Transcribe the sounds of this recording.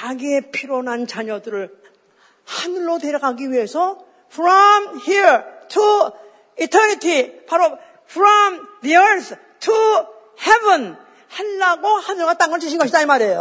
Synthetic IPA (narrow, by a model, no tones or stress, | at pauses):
aɡepʰiɾʌnant͡ɕaɲʌdɯɾɯɭ | hanɯɭːote̞ɾjʌɡaɡiɥiɦe̞sʰʌ | pʰɾʌmhiɹtʰu | itʰʌnitʰipaɾo | pʰɾʌmðiəɭθ | tʰu | hebʌn | haɭːaɡohanɯɭɡat͈aŋɡʌɭt͡ɕiɕʰiɡʌɕʰidaimaɾe̞jo